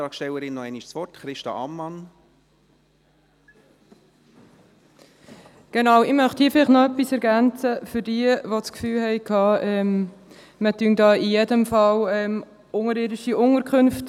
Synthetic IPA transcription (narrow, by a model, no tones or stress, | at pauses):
ɑːksʃtɛləɾɪnːɔɛniʃsʋɔɾtχɾɪʃtɑ̰ɑ̰mːɑn | ɡ̥enɑwɪmœχthiːfɪlɪχtnɔœpisɛɾɡænt͡səfʏɾdiːəʋot͡skfyːlhɛɪkʰɑːɛm | mətyəndɑːijedəmfɑlɛm | ʊŋəɾɪːɾɪʃiʔʊŋəɾkʰʏnft